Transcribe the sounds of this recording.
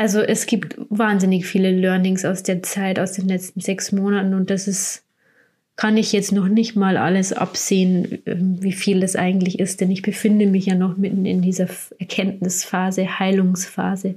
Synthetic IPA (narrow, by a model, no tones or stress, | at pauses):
ʔalzoʔɛsɡ̥iːptvaːnzɪnɪçfiːləlœɐnɪŋsaʊsd̥eːɐt͡saɪtaʊsd̥eːnlɛt͡stn̩zɛksmoːnatn̩ʊnt̚d̥asɪs | kʰanɪçjɛt͡stnɔχnɪçtmaːlʔa̰ləsʔa̰pz̥eːənʔɛ̰ːmviːfiːldasʔa̰ɪɡŋ̩tlɪçɪstd̥ɛnɪçb̥əfɪndəmɪçjaːnɔχmɪtn̩ɪ̰ndiːzɐʔɛɐkʰɛntnɪsfaːzəhaɪlʊŋsfaːzə